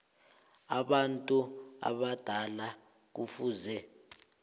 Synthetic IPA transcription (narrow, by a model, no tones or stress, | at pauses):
aɓantʼua̰ɓad̥ʱala | k̬ufuːzɛ